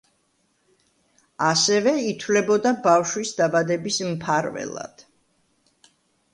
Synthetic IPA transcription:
asɛvɛit̪ʰwvlɛbɔd̪abafʃwisd̪abad̪ɛbismpʰaɾvɛ̰lˠa̰d̪̥

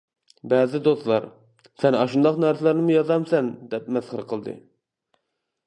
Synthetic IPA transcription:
bɛːzɪd̪ost̪lˠɑɾ | sɛnɑ̰ʃund̪ɑqnæɾsɪlæɾnɪmujɑzɑmsɛnd̪ɛpmɛsχəɾqʰəlˠd̪ɨ̰

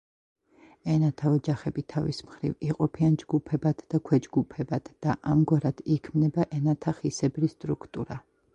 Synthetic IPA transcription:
ɛnat̪ʰaɔd͡ʒaχɛbit̪ʰavḭsmχɾḭviqʼɔpʰiand͡ʒɡupʰɛbad̪̥d̪akʰwɛd͡ʒɡupʰɛbad̪̥d̪̥aʔamɡwaɾad̪̥ikʰmnɛbaʔɛnat̪ʰaχisɛbɾist̪ʼɾukʰt̪ʼuɾa

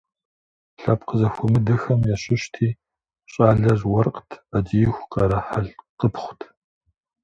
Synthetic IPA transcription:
ɬɐpqəzɐxʷʊmɨdɨxɐmjaɕɪɕtʰiː | ɕʼaːɮɐrwɐrqʼtʰɐd͡ʒijxʷqʼɐɾɐħaɮqəpχʷʊtʰ

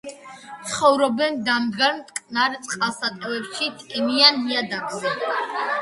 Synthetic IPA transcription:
sχɔvɾɔbɛnd̪amd̪ɡaɾmt̪ʼkʼnaɾt̪sʼqʼalˠsat̪ʼɛvɛpʃit̪ʼinianːiad̪at̪ʼɛ

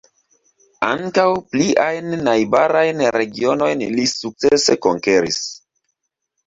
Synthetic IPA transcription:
a̰ŋkawpliʔajnːajbaɾajnɾe̞ɡio̞no̞jnlisuk̚t͡se̞se̞koŋke̞ɾḭs

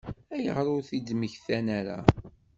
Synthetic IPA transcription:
æjə̰ʁɾʊɾθid̪məçθænæɾa̰

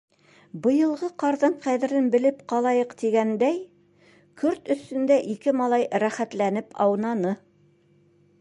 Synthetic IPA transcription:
bɤ̆jɤ̆lˠʁɤqɑɾðɤɴqæðɘ̆ɾɘnbɘ̆lɘpqɑlˠɑjɤqt̪iɡænd̪æj | kɵɾt̪ɵ̆st̪ɵ̆nd̪æʔikɘmɑlˠɑjɾæχæt̪lænɘpɑ̰wnɑnɤ

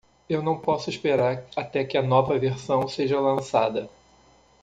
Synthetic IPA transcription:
ewnɐ̃w̃pɔsʊiʃpeɾaɾat̪ɛkɪɐnɔvɐveɾsɐ̃w̃seʒɐlɐ̃sad̪ɐ

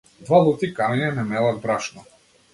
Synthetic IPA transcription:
d̪valˠut̪ikaɾinʲɛnɛmɛlˠad̪̚bɾaʃnɔ

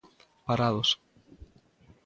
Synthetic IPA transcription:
paɾaðos

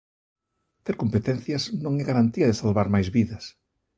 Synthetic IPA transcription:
t̪eɾkompet̪ɛn̟θjɐznõŋɛɣaɾant̪iɐðɪsalβaɾmajzβiðɐs

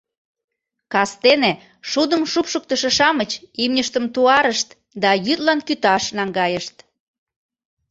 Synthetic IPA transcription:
kɑst̪ene | ʃud̪əmʃupʃuk̚t̪əʃə̆ʃɑmət͡ɕimnʲəʃt̪əmt̪uɑɾəʃt̪ | d̪ɑjyt̪lɑnkyt̪ɑʃnɑŋɡɑjəʃt̪

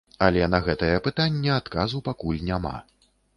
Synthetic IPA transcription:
ɐlʲɛnɐɣɛt̪ɐjɐpɨt̪anʲːɛat̪kazupakulʲnʲama̰

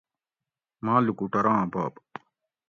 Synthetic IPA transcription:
mãːlukuʈɐɾãːba̰ːp

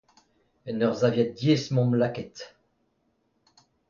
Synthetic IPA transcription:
ɛnœʁzavjɛt̪̚d̪jesmɔ̃mlakɛt̪

